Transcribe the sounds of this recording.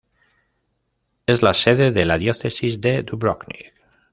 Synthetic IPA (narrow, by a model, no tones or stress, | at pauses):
ezlaseðeðelaðjoθesizðed̪uβɾoknḭk